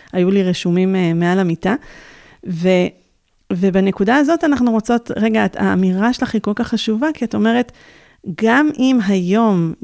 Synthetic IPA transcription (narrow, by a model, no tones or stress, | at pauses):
ajuliʁeʃumimːealamita | ve | vebanekudaazo̞tanaχnuʁo̞t͡so̞tʁe̞ɡata̰ːmiʁaʃelaχiko̞lkaχːaʃuvakiato̞me̞ʁe̞t | ɡamʔimɦajo̞m